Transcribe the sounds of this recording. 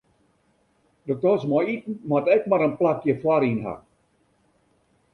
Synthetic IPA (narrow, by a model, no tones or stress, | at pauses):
dok̚tɔsmɔitn̩matɛkmaɾənplakjəfwaɾinɦa̰